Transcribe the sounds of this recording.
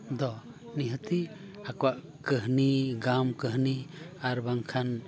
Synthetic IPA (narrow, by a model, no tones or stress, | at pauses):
d̪ɔ | niɦət̪i | akɔwaʔ | kəɦniɡamkəɦniaɾbaŋkʰan